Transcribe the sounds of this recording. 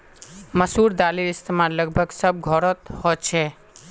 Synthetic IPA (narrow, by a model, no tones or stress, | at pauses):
məsuɾd̪alilɪst̪emaɾləɡbʱəɡsəb̚ɡʱɔɾət̪hot͡ʃʰɛ